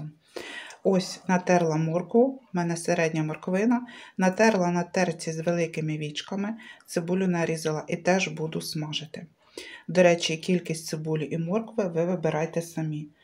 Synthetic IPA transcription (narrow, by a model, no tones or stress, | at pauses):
ɔsʲnɐt̪ɛrlˠɐmɔrkʋʊmɛnɛseɾɛdʲnʲɐmɔrkʋɪnɐnɐt̪ɛrlˠɐnɐt̪ɛrt͡sʲizʋelˠɪkɪmɪʋʲit͡ʃkɐmɪt̪sɪbulʲʊnɐɾʲizɪlˠɐʔit̪ɛʒbud̪ʊsmɑʒɪt̪ɪ | d̪ɔɾɛt͡ʃʲikʲilʲkʲisʲtʲt̪sɪbulʲʊʔimɔrkʋɪʋɪʋɪbeɾʔɑjt̪ɛsɐmʲi